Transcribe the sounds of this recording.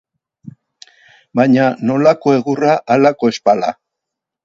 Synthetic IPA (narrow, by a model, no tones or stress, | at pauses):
bajɲano̞lako̞e̞ɣuraʔalako̞e̞spala̰